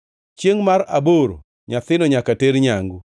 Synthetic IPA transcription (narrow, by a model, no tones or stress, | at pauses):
t͡ʃjeŋmaɾaboɾo̰ | ɲaθɪnɔɲakateɾɲaŋɡu